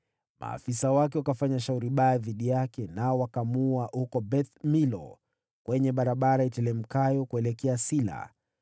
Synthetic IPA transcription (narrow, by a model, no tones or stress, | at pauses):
ma̰ːfisawakɛwukafaɲaʃauɾiɓajaðiɗijakɛnaɔwakamuaʔhukɔbɛθmilɔ̰ | kwʔɛɲɛɓaɾaɓaɾaitɛlɛm̩kajɔkuɛlɛkɛasila̰